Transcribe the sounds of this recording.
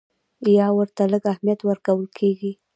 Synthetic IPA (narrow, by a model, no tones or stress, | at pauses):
jɑwəɾt̪aləɡahmijat̪wəɾkawəlkʰeɡi